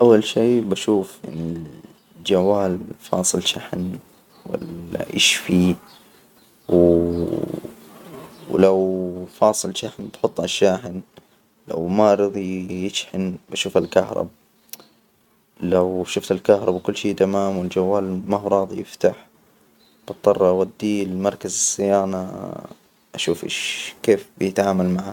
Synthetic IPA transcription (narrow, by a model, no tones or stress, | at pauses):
ʔawːalʃiːbaʃuːfʔɪ̰nːɪl | d͡ʒawːaːlfɑ̰ːsˤɨlʃaħn | wɪ̰la̰ʔɪ̰ʃfi | w | lawfɑːsˤɨlʃaħnbaħʊt̪ˤːʔaʃːaːħɪn | la̰wmaʔɾɨðˤijɪt͡ʃħɪnbaʃuːfalkahɾˤɑ̰b̚ | lawʃʊft̪alkahɾˤɑbakʊlːʃiːd̪amaːmwɪld͡ʒawːaːlmahuɾˤɑːðˤijɪft̪aħ | b̥ɑt̪ˤːɑrˤwad̪ːilmɑɾˤkazɪsːɪjaːna | ʔaʃuːfʔɪ̰ʃkeːfbjɪt̪ʕaːmalmaʕa